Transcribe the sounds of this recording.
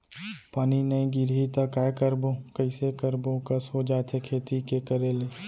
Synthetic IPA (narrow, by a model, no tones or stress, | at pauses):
paːninəĩɡɪɾit̪akaːekəɾbõkəɪsekəɾbõkɐsod͡ʒaːt̪ʰekʰeːt̪ikekəɾeːleː